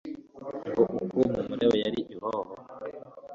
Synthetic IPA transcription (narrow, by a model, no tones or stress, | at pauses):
ŋɡuʔukumumuɾewojaɾiʔihoho